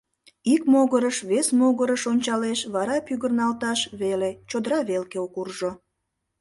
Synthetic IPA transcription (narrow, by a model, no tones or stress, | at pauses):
ikmoɣəɾəʃβesmoɣəɾəʃonʲt͡ɕɑleʃβɑɾɑpyɣərnɑlt̪ɑʃβelet͡ɕod̪əɾɑβelkeokurʒo